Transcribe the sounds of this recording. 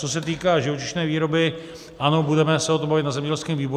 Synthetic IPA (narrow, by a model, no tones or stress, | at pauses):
t͡sos̬ɛt̪iːkaːʒɪvo̞t͡ʃɪʃnɛːviːɾo̞bɪ | ʔano̞budɛmɛsɛot̪ombavɪt̪nazɛmɲɛɟɛlskɛːmviːbo